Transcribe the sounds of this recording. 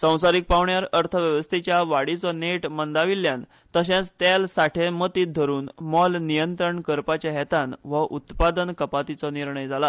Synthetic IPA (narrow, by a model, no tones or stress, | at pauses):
sə̃w̃saɾik̚paʋɳjaɾəɾt̪ʰəʋjəʋəst̪ʰit͡ɕjaʋaɽit͡sɔneʈmənd̪aʋiljan | t̪əɕãt͡st̪jalsaʈʰemət̪iːt̪̚d̪ʱəɾuːnmɔlnijənt̪ɾəɳkəɾpat͡ɕjaɦɛt̪anʋəʔut̪pad̪ənkəpat̪it͡sɔniɾɳəjd͡zʱala